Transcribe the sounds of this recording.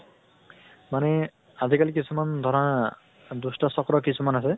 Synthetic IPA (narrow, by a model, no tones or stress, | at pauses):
manɛ | adʱikalikisʰumand̪ʱɔɹɔa | d̪ustɔsɔkɹɔkisʰumanasɛ